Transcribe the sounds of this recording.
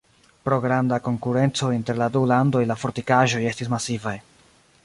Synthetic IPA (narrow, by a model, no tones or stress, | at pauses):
pɾo̞ɡɾandako̞ŋkuɾe̞nt͡so̞inte̞ɾladulando̞jlafo̞ɾtikaʒo̞je̞stismasivaj